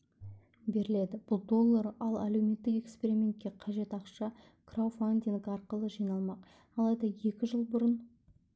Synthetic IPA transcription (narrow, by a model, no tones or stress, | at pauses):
be̞ɾɪle̞d̪ɪb̥ʊlˠd̪o̞lˠːɑɾɑlˠæle̞wme̞t̪ːɪke̞kspe̞ɾʲimʲe̞nt̪̚kʲe̞qʰɑʒe̞t̪ɑqʃɑ | kʰrawfand̪ʲiŋɡɑɾqəlˠəʒijnɑlˠmɑq | ɑlˠɑjd̪ɑje̞kʲɪʒəlˠbʊɾən